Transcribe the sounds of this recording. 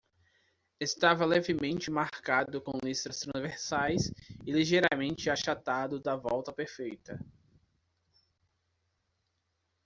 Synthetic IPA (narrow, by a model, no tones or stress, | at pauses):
est̪avɐlɛvɪmẽnt͡ʃɪmaɾkad̪ʊkõlist̪ɾɐst̪ɾɐ̃zveɾsajsɪliʒejɾamẽnt͡ʃɪaʃat̪ad̪ʊd̪ɐvɔwt̪ɐpeɾfejt̪ɐ